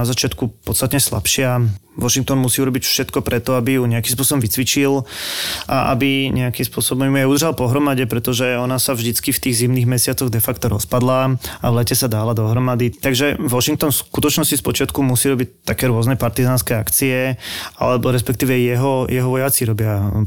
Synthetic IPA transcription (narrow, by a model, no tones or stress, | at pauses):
azat͡ʃɪat̪kupɔt̪st̪at̪ɲɛsla̰pʃɪa | ʋɔʃiŋk̚t̪ɔnmusiːuɾɔbicfʃɛt̪kɔpɾɛt̪ɔabijuɲɛakims̬p̬ʊɔsɔbɔmʋit͡sʋit͡ʃil | ʔaʔa̰biɲɛakimspʊɔsɔbɔmmujɛud̪r̩ʒalpɔɦɾɔmaɟɛpɾɛt̪ɔʒɛɔnasavʒd̪it͡skift̪iːɣzimniɣmɛsɪat͡sɔɣd̪ɛfakt̪ɔɾɔ̰spad̪laaʋlɛcɛsad̪aːlad̪ɔɦɾɔmad̪it̪aɡʒɛʋɔʃiŋk̚t̪ɔnskut̪ɔt͡ʃnɔscispɔt͡ʃɪat̪kumusiːɾɔbict̪ːakɛːɾʊɔznɛpaɾt̪izaːnskɛakt͡siɛa̰lɛbɔɾɛspɛkt̪iːʋɛjɛɦɔjɛɦɔʋɔjat͡siɾɔbɪa